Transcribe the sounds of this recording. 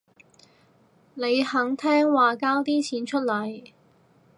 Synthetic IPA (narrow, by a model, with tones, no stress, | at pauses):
ne˨˧jhɐ˨˥ŋt̪ʰɛː˥ŋwaː˨kaː˥wt̪iː˥t͡sʰiː˨˥nt͡ʃʰɵ˥t̚lɐ˨˥j